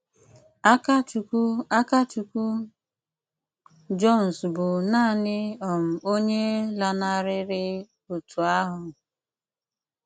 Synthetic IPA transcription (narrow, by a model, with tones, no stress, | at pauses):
a˦ka˦t͡ʃku˦a˦ka˦t͡ʃu˨ku˦ | d͡ʒɔ˦˨n̩˨sbʊ˨naː˦˨nɪ˦ɔ˨m̩˨o˦ɲe˦la˨na˦ɾɪ˦ɾɪ˦ | o˨tu˨a˦ɦʊ˨